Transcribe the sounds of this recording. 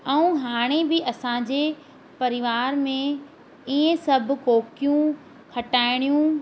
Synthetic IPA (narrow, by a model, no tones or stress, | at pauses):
ɛũɦaːɽ̃ebɪʔɐsãd͡ʑeː | pɐɾɪʋaːɾmẽ | iːẽsɐbʱkoːkijũ | kʰɐʈaːɪɽ̃ijũ